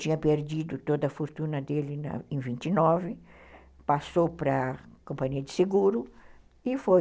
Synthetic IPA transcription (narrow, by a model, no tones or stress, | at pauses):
t͡ʃĩɲɐpeɾd͡ʒ̪id̪ʊt̪od̪ɐfoɾt̪ũnɐd̪elɪnɐ̰ẽvĩnt̪inɔvɪ | pasopɾɐkõmpaɲiɐd̪ɪseɡuɾʊ | ɪfoj